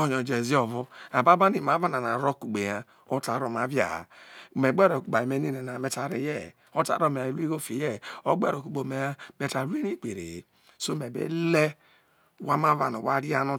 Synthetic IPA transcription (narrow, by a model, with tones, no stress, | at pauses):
o˨ɲo˨d͡ʒe˨zi˦o˨vo˦a˨ba˦ba˦ni˨ma˨˦va˦na˨na˨ɾo˦˨ku˨ɡ͡be˨ja˨ | o˦ta˨ɾo˨ma˨˦vja̰˨me˨ɡ͡be˦ɾo˨ku˨ɡ͡ba˨i˨me˦ni˦ne˨na˨me˦ta˨ɾe˨je˦˨ | o˦ta̰˨ɾo˦˨me˨a˨i˨lu˦i˦ɡo˦fi˨je˦˨o˦ɡ͡bḛ˦ɾo˨ku˨ɡ͡bo˨me˨ja˦me˨ta˨ɾu˦e˦ni˦˨k͡pe˨ɾḛ˨ | so˦me˨bḛ˦le˦ | wa˦ma˦va˨no˨wa˦ɾi˦a˦no˦